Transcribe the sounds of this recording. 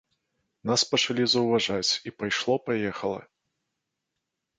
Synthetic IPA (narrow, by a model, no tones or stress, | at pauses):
naspɐt͡ʂalʲizɐwvaʐat͡sʲipajʂlˠɔpajɛxɐlˠɐ̰